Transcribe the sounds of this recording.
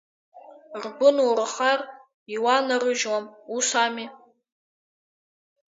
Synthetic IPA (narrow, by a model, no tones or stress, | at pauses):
rbʊnuɾaχar | iwanaɾɨʒwamusami